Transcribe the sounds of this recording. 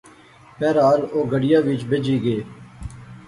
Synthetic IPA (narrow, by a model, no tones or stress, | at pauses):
pɛːɾaːloːɡəɽɪjaːʋɪt͡ʃbed͡ʒiːɡeː